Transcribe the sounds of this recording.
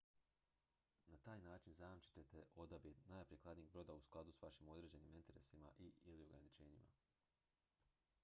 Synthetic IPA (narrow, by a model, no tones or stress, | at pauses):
nat̪aːjnaːt͡ʃinzajamt͡ʃi̥t̪et̪eʔo̞d̪abid̪naːjpɾieklˠad̪niɡbɾo̞d̪ausklˠad̪usʋaʃimo̞d̪ɾe̞ːd͡ʑe̞niːmint̪e̞ɾe̞̰sima̰ʔiilio̞ɡɾa̰nit͡ʃe̞ːɲima̰